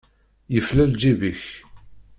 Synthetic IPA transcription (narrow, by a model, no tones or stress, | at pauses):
jəflæld͡ʒiviç